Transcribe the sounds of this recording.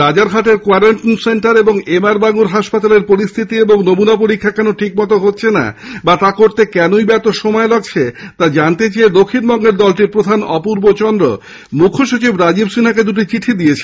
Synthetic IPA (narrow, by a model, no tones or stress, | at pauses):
ɾad͡ʑaɾɡʱaʈeɾkoaɾaɳʈonseɳʈaɾeboŋemaɾbaŋuɾɦaʃpat̪aleɾpoɾist̪ʰit̪ieboŋnomunapoɾikʰːakɛnoʈʰikmɔt̪̬oɦotːɕʰena̰bat̪akoɾt̪ekɛnoibɛt̪oʃomɔeloɡt͡ɕʰet̪ad͡ʑant̪et͡ɕaed̪okʰːinbɔŋɡeɾd̪ɔlʈiɾpɾod̪ʱanɔpuɾbot͡ɕɔnd̪ɾo̰ | mukʰːoʃut͡ɕibɾad͡ʑibsinaked̪uʈ̬it͡ɕiʈʰid̪iet͡ɕʰe̥